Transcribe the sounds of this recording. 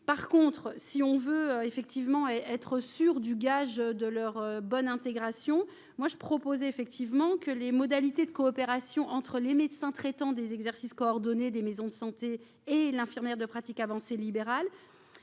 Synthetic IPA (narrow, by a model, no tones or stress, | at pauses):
paʁkɔ̃t̪χsiɔ̃vøøefɛk̚t̪ivmɑ̃ɛt̪χəsyʁd̪yɡaʒd̪əlœʁøbɔnɛ̃t̪eɡʁasjɔ̃ | mwaʒəpχɔpozɛefɛk̚t̪ivmɑ̃kəlemɔd̪alit̪ed̪əkɔːpeʁasjɔ̃ʔɑ̃t̪χəlemed̪sɛ̃t̪χɛt̪ɑ̃d̪ezɛɡzɛʁsiskɔɔʁd̪ɔned̪emezɔ̃d̪əsɑ̃t̪e | elɛ̃fiʁmjɛʁd̪əpχat̪ikavɑ̃selibeʁal